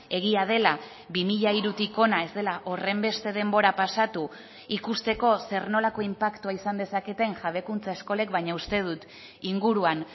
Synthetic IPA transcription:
e̞ɣ̞iað̞e̞la | βimiʎaiɾut̪iko̞nae̞zd̪e̞laʔo̞re̞mbe̞st̪e̞ðe̞mbo̞ɾapasat̪u | ikust̪e̞ko̞se̞ɾno̞lako̞impakt̪uaisand̪e̞sake̞t̪e̞nʝaβe̞kunt͡sae̞sko̞le̞kβajɲaust̪e̞ð̞ut̪ | iŋɡuɾuan

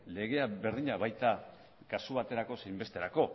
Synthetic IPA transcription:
le̞ɣe̞abe̞ɾðiɲaβajt̪a | kasuβ̞at̪e̞ɾako̞sejmbe̞st̪e̞ɾako̞

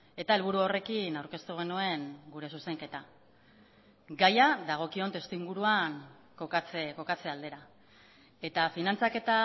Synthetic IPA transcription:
e̞t̪ae̞lβ̞uɾuo̞re̞kinawɾke̞st̪uɣ̞e̞nue̞ŋɡuɾe̞suse̞ŋke̞t̪a | ɡajaðaɣ̞o̞kio̞nt̪e̞st̪uiŋɡuɾuaŋ | kokat͡seko̞kat͡se̞ald̪e̞ɾa | e̞t̪afinant͡sake̞t̪a

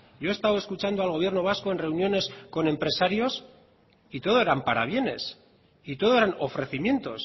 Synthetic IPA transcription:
ɟ͡ʝo̞est̪awe̞skut͡ʃand̪oalɣ̞o̞β̞je̞ɾnoβ̞askoe̞nre̞unjo̞ne̞sko̞nẽ̞mpɾe̞saɾjo̞s | it̪o̞ð̞o̞e̞ɾampaɾa̰βje̞ne̞s | it̪o̞ð̞oeɾano̞fɾe̞θimje̞nt̪o̞̰s

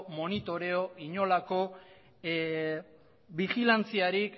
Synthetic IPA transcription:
mo̞nit̪o̞ɾe̞o̞iɲo̞lako̞ | βixilant͡siaɾik

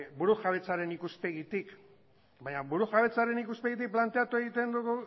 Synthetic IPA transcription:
buɾuxaβ̞e̞t͡saɾe̞nikuspe̞ɣit̪ik | baɲaβuɾuxaβe̞t͡saɾe̞nikuspeɣit̪̬ik̚plant̪e̞at̪ue̞ɣit̪e̞nd̪uɣu

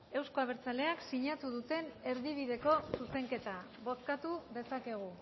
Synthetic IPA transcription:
e̞wsko̞aβ̞e̞ɾt͡sale̞aksiɲat̪uðut̪e̞ne̞ɾðiβ̞iðe̞ko̞suse̞ŋke̞t̪a | βo̞skat̪uðe̞sake̞ɣ̞u

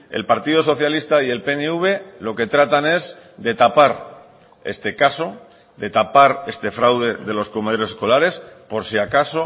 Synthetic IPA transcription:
e̞̰lpaɾt̪ið̞oso̞θjalist̪aie̞lpe̞neuβ̞e̞lo̞ke̞t̪ɾat̪ane̞z | d̪e̞t̪apaɾ | e̞̰st̪e̞kaso̞ | d̪e̞t̪apaɾe̞st̪e̞fɾawð̞e̞ðe̞lo̞sko̞með̞o̞ɾe̞sesko̞laɾe̞spo̞ɾsiakaso̞

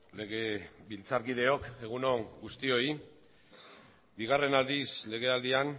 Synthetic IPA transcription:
le̞ɣe̞βilt͡saɾkiðe̞o̞ke̞ɣ̞uno̞ŋɡust̪io̞i | biɣ̞are̞nald̪isle̞ɣ̞e̞ald̪ian

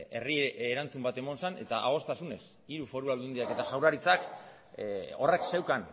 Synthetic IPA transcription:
e̞̰riɾant͡sumbat̪e̞mo̞nsane̞t̪aʔa̰ɣ̞o̞st̪asune̞s | iɾufo̞ɾuald̪und̪iake̞t̪aʝawɾaɾit͡sak | o̞̰rekse̞wkan

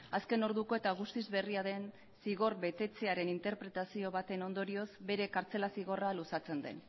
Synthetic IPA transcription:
aske̞no̞ɾðuko̞e̞t̪aɣ̞ust̪izβe̞riaðe̞n | siɣ̞o̞rbe̞t̪e̞t͡se̞aɾe̞nint̪e̞ɾpɾe̞t̪asio̞β̞at̪e̞no̞nd̪o̞ɾio̞zbe̞ɾe̞kaɾt͡se̞lasiɣo̞ralusat͡se̞nd̪e̞̰n

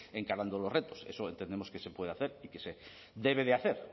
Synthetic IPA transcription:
e̞ŋkaɾand̪olo̞zret̪o̞se̞̰soent̪end̪emo̞skese̞pwe̞ð̞eaθe̞ɾikese | ðe̞β̞e̞ð̞eaθe̞ɾ

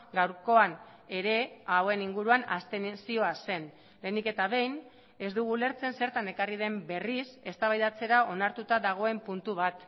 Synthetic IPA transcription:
ɡawɾko̞an | e̞ɾe̞awe̞niŋɡuɾuana̰st̪e̞sio̞ase̞n | le̞nike̞t̪aβe̞jn | e̞zd̪uɣ̞ule̞ɾt͡se̞nse̞ɾt̪ane̞karið̞e̞mbe̞rise̞st̪aβajðat͡se̞ɾao̞naɾt̪ut̪aðaɣ̞o̞e̞mpunt̪uβ̞at̪

